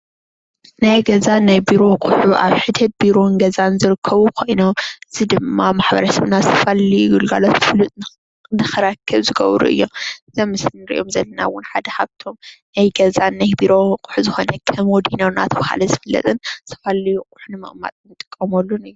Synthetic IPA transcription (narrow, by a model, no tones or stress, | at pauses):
najɡɐzanajbiɾo̞kʼʊħuʔaβħɨd̪ʰɨd̪̚biɾo̞nɡɐzanzɨɾɨkʰːɐβukʰo̞jnomɨzid̪ɨmːamaħbɐ̰ɾɐsɐβnasɐfaliɡulɡalot̪ɨflut̪ʼ | nɨxɨɾakʰːɐβzɨɡɐ̰βɾṵʔɨ̰jːo̞̰zɐmːɨsɨnɨɾḭʔo̞mzɐlːɐna̰wːʊnħad̪ɐhaβt̪ʰo̞mnajɡɐzanːajbiɾo̞qʼu̥ħuzɨxo̞nɐkʰɐmwɔd̪inomna̰t̪ʰɐβaha̰lɐzɨfɐlːɐ̰t̪ʼɨnsɐ̥falijukʼʊ̥ħunɨmɐ̰ʔʼma̰t̪ʼnɨt̪ʼːɨ̥kʼːɐmolːunɨjːu